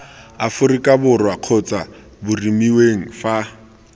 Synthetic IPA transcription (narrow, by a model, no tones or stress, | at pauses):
afʊrɪkʼabʊrwaq͡χʰɔt͡sʼa | bʊrimiweŋ̩fa